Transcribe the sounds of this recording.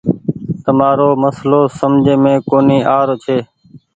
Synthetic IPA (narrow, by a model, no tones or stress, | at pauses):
t̪əmaːɾoːməsloːsəmd͡ʒʱẽːmẽːkoːniːʔaːɾoːt͡ʃʰeː